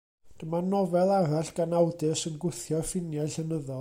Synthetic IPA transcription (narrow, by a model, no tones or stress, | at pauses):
d̥əmanɔvɛlˠaɾaɬɡ̥anawdɨsənɡʊθjɔrfɪnjajɬənəðɔ